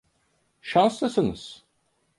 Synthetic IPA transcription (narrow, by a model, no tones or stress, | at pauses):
ʃanslˠɯsɯnɯ̰z̥